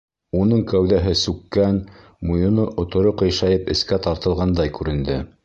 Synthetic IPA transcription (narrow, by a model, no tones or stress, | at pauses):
unɤɴkæwðæɦɘsʉkːæn | mujŏnɤʔŏt̪ŏɾoqɤ̆jʃɑjɤpɘ̆skæt̪ɑɾt̪ɤ̆lˠʁɑnd̪ɑjkʉɾɘ̆nd̪ɘ